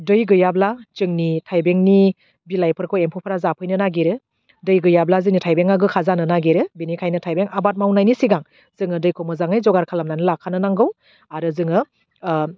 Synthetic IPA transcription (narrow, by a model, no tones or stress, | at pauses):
dɯjɡɯjablazɯŋnitʰajbeŋni | bilajpʰɯɾkʰɔempʰɔpʰaɾazapʰɯjnɯnaɡeɾɯ | dɯjɡɯjablazɯŋnitʰajbeŋaɡɯkʰazanɯnaɡeɾɯbinikʰajnɯtʰajbeŋabat̚mawnajnisiɡaŋ | z̥ɯŋɯdɯjkʰɔmɯzaŋɯjzɔɡaɾkʰalamnanɯlakʰːanɯnaŋɡɯw | aɾɯzɯŋɯ